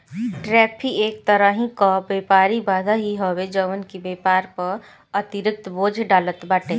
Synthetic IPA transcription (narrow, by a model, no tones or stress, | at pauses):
ʈɾɛːpʰieːk̚t̪əɾəɦĩkabeːpaːɾibaːd̪ʱaɦiɦowed͡ʒəʋənkibeːpaːɾpɐɾ | ɐt̪ɪɾɪk̚t̪boːd͡ʒʱɖaːlət̪baːʈẽː